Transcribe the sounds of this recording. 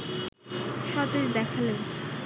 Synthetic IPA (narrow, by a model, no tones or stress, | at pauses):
ʃɔt̪ed͡ʑd̪ɛkʰalen